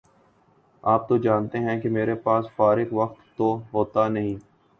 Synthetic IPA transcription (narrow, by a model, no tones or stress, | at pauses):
aːp̚t̪od͡ʒaːnt̪eɦɛ̃kemeːɾepaːsfaːɾɪkʋəkt̪ːoɦoːt̪anəɦĩː